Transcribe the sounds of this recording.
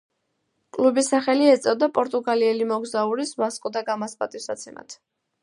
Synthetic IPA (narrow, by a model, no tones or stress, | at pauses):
kʼlubisaχɛliɛt̪sʼɛvd̪apʼɔɾt̪ʼuɡaliɛlimɔɡzauɾisvaskʼd̪aɡamaspʼa̰t̪ʼisa̰t̪sʰɛma̰t̪ʰ